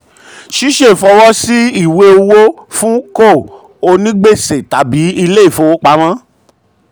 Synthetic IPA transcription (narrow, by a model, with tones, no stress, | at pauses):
ʃi˦ʃe˦˨fɔ˧wɔ˦si˦i˦˨we˧o˧wo˦fũ˦ko˦˨ | o˧nĩ˦ɡ͡be˦˨se˨ta˨˦bi˨˦i˧le˦i˦˨fo˧wo˦k͡pa˧˦mã˦